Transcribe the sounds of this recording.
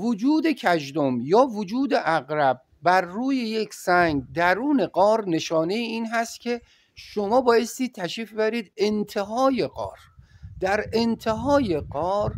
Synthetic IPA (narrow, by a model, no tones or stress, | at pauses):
vod͡ʒuːd̪e̞cʰæʒd̪omjɒːvod͡ʒuːd̪eʔæɣɾæb̚bæɾːuːje̞jekʰsæŋɡ̚d̪æɾuːneɡɒːɾne̞ʃɒːne̞jiiːnɦæst̪̚kʲʰe̞ | ʃomɒːbɒːje̞st̪iːd̪̚t̪ʰːæʃiːfebæɾiːd̪ent̪ʰe̞ɦɒːje̞ɢɒ̰ːɾd̪̥æɾent̪ʰe̞ɦɒːje̞ɢɒːɾ